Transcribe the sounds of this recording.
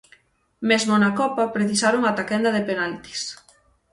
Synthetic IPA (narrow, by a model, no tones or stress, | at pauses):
mezmʊnakɔpɐpɾeθisaɾoŋat̪akɛnd̪ɐðepenalt̪i̥s